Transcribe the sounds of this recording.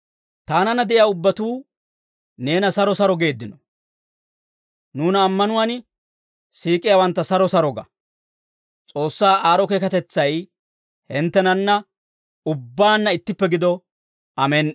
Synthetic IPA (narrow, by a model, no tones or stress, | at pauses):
t̪aːnɐnːɐd̪ɛʔɪjaːʊbːɐt̪uː | ne̞ːnɐsɐɾɔsɐɾɔɡe̞ːd̪ːɪnɔ | nuːnɐːmːɐnʊwan | siːkʼːɪjawɐnt̪ːɐsɐɾɔsɐɾɔɡɐ̰ | t͡sʼo̞ːsːaːʔaːɾɔkeːkɐt̪ɛt͡sːɐj | hɛnt̪ːɛnɐnːɐ | ʊbːaːnːɐɪt̪ːɪpːɛɡɪd̪ɔ | ɐmɛn